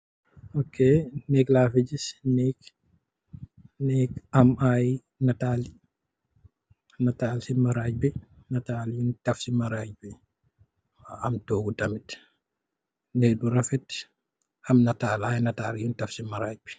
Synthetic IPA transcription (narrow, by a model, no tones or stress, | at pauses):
okːenɛklafid͡ʒisnɛk | nɛkamaj | nataːli | nataːlsimaɾaːɟ̚bɛ | nataːljuntafsimaɾaːd͡ʒ̚bɛ | waamtɔːɡutamit | nɛduɾafɛt | amnataːlajnataːljuntɐfsimaɾaːɟ̚bɛ